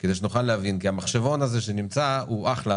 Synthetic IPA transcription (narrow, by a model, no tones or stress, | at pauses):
kedeʃ̬nuχalːehavinkiamaχʃevo̞naze̞ʃenimt͡sauʔaχla